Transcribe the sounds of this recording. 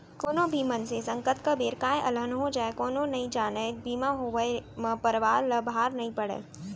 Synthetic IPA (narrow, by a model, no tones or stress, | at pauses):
koːnobʱiːmənsesɐ̃ŋkət̪kabeːɾkaːẽʔɐlənɦod͡ʒaːekoːnõnɐɦĩd͡ʒaːnəbʱiːmãɦoʋəem̃pəɾʋaːɾlɐbɦaːɾnɐɦĩpɐɽḛː